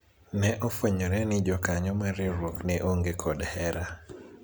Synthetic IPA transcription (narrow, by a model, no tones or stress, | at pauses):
nɛʔɔfwɛɲɔɾɛnɪd͡ʒɔkaɲɔmaɾiɾwoknɛʔoŋɡekʰɔdhɛɾa